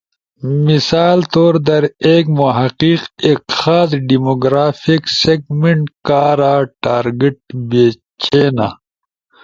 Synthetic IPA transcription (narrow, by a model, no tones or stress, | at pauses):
misaːlt̪oːɾd̪ɐɾeːkmoɦɐqiqekxaːd̪ɖimoɡɾaːfikseɡmeɳʈkaːɾaːʈaːɾɡeʈ̚beː | t͡ɕeːna